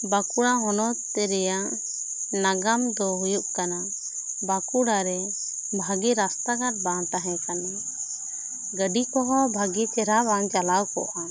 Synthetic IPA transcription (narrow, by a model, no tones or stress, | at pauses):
bakuɽaɦɔnɔt̪ɛɾɛjaʔ | naɡamd̪ɔɦujuʔkana | bakuɽaɾɛ | bʱaɡiɾast̪aɡaʈ̚bãʈ̪aɦɛ̃kana | ɡəɖikɔɦɔbʱaɡit͡ʃɛɾaβant͡ʃalawkɔ̰ʔa